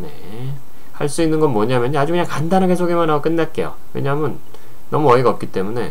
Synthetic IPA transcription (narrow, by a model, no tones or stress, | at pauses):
ne̞̰ | haɭs͈uinːɯnɡʌnmwʌɲamjʌɲad͡ʑukɯɲaŋkandanɦaɡesʰoɡemanɦaɡok͈ɯnːat̚k͈e̞jo̰we̞̰ɲamʌnː | ʌmuʌiɡaʌp̚k͈it͈e̞mune̞